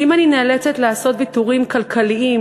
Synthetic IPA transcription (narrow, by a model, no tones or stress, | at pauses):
ʔimaninelet͡set̪laaso̞t̪bit̪uʁimkalkʰaliʔi